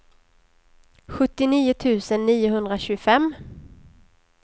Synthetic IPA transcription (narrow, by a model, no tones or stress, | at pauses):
ɧɵt̪ːɪniːʊt̪ʰʉ̟ːsənːiːʊɦɵnd̪ɾaɕʉːɡfɛmː